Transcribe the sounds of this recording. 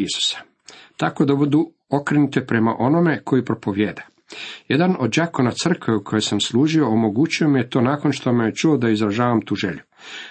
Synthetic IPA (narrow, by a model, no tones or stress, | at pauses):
isu̥sḁ | t̪ako̞d̪abud̪u | o̞kɾenut̪epɾe̞ma̰ʔo̞no̞me̞kʰo̞jipɾo̞po̞ʋjeːd̪a | jed̪ano̞d̪̚d͡ʑakonat̪sr̩kʋeukʰo̞jesamslˠuːʒio̞omo̞ɡuːt͡ɕio̞mijet̪o̞ːnaːko̞nʃt̪omejet͡ʃuod̪aizɾaʒaːʋamt̪uːʒḛʎu